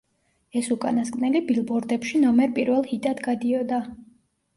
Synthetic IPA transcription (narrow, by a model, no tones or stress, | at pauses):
ɛsukʼa̰naskʼnɛlibilˠbɔɾd̪ɛpʃinɔmɛɾpʼiɾvɛlˠhit̪ʼad̪ɡad̪iɔd̪a